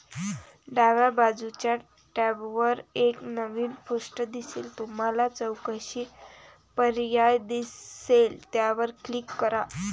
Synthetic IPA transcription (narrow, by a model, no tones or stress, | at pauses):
ɖaʋabad͡zut͡ɕja | ʈɛbʋəɾeknəʋiːnpuʂʈəd̪isḛːlt̪um̤alat͡səwkaɕiː | pəɾjajd̪iselt̪jaʋəɾklikːəɾa